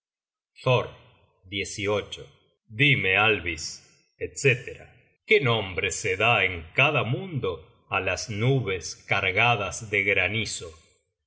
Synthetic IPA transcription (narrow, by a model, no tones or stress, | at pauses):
θoɾ | d̪jesiot͡ʃo | d̪imealβis | et̪set̪eɾa̰ | kenõmbɾeseðaeŋkaðamũnd̪o | alasnuβeskaɾɣaðazðeɣɾaniso